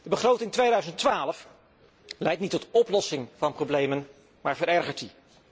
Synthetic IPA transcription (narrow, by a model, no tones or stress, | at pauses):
d̥əbəχrowtɪŋtʋejdœɥzəntʋaːləf | lɛjtnitɔtɔplɔsɪŋvɑnprowblejmən | maːɹvəɾɛɹχəɹti